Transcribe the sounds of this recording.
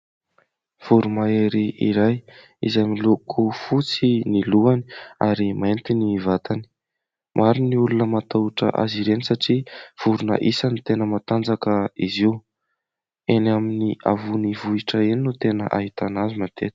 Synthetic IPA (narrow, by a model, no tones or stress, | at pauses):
v̥uɾumaeɾiʔḭɾaj | izamilukʰufut͡siniluania̰ɾiment̪inivat̪ani̥ | mʔaɾiniulunəmat̪auʈ͡ʂə̰ʔa̰ziɾenisaʈ͡ʂiv̥uɾunə̰ʔisanit̪enəmat̪and͡zakəiziw | enaminiʔavunivuiʈ͡ʂəeninut̪enəʔaɦit̪anazumant̪ʰet̪